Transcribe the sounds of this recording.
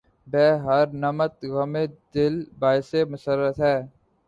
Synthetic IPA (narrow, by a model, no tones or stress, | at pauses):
bɛːɦəɾnəmət̪ɣəmed̪ɪlbaːɪsemʊsəɾːət̪ɦɛː